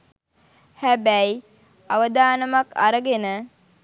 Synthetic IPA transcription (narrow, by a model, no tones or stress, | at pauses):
hæbæj | aʋəd̪aːnəmaka̰ɾəɡenə